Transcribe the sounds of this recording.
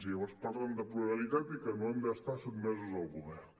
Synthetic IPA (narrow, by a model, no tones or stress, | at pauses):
siβaspaɾlənd̪əpluɾalit̪at̪ikənoend̪əːst̪aset̪mezuzəlˠɣuβɛ